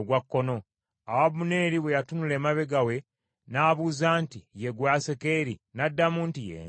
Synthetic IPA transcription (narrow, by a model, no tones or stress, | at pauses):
ɡwakːo̞no̞ | awaβune̞ːɾiβwejatunule̞ːmaβe̞ɡawe̞ | naːβuzaːntije̞ɡwaːse̞ke̞ɾinadːamuːntijḛː